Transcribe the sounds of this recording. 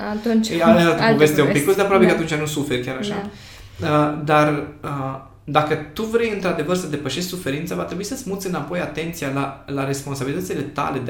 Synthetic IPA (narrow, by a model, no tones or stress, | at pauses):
at̪unt͡ʃad̪at̪əpovest̪eumpikkusd̪eapɾoabikat̪unt͡ʃanusufe̞rʲkʲaɾaʃa̰ | əd̪arə | d̪akət̪uvɾe̞jɨnt̪ɾad̪e̞vərsəd̪e̞pəʃe̞ʃt̪ʲsufe̞ɾint̪səavat̪ɾe̞buisət̪sʲmut̪sɨnapo̞jat̪e̞nt̪sijalalaɾe̞spo̞nsabilit̪ət̪sile̞t̪a̰le̞d̪